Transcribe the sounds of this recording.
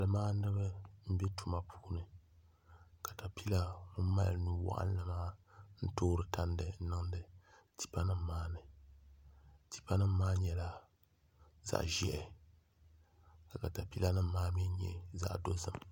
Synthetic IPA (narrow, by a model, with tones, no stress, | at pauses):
a˨lɨ˨maː˦nɨ˦bɨ˦m̩˦bɛ˦tu˨ma˨pʰuː˦nɨ˨ | ka˨ta˨pi˦la˦ŋu˦m˦ma̰˦lɨ˦nu˦wa̰˦ʔa̰˦n˦lɨ˦maː˦n̩˦toː˦ɾɨ˨ta˦n˦dɨ˨n˦nɨ˦ŋ˦dɨ˨ | ti̥˦˨pa˦nɨ˦mː˨aː˦nɨ˨ | ti̥˨pa˦nɨ˦m̩ː˦aː˦ɲɛ˨la˨ | za̰˨ʔʒɛ˦ʔɛ˨ | ka˨ka˨ta˨pi˦la˦nɨ˦m̩ː˦aː˦mɛ˦ɲɛ̰˨za̰˦ʔdo˦zɨ˨m